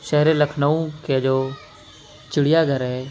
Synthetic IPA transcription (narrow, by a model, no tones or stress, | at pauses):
ʃɛɦɾeləkʰnaũked͡ʒoː | t͡ʃɪɽ̤ɪjaɡʱəɾɦɛ